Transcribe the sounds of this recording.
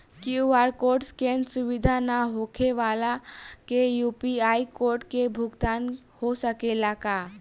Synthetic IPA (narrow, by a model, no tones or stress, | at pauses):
kiuʋaɾkoɾʈskẽnsuʋid̪ʱanaɦokʰeʋaːlakejupiaikoɾʈkebʱʊɡd̪an | hosəkelaka